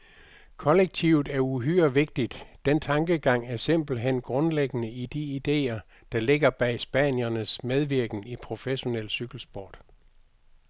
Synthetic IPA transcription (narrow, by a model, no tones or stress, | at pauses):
kʰɒ̽leɡ̥̚t͡sʰiʊð̩ˠæɐuɦyɐʋe̝ɡ̥̚d̥id̥d̥ent͡sʰɑ̈ŋɡ̥əɡ̥ɑ̈ŋ̰æɐse̝m̰b̥l̩ɦen̰ɡ̥ʁɔ̽nleɡ̥ənəid̥iid̥e̝̰ːɐ | d̥ɑ̈le̝ɡ̥ɐb̥ɛ̰ːsb̥ænjɐnəsmeð̞ˠʋiɐɡ̥n̩ipʰʁo̝feɕo̝nel̰syɡ̥l̩sb̥ɒ̰ːd̥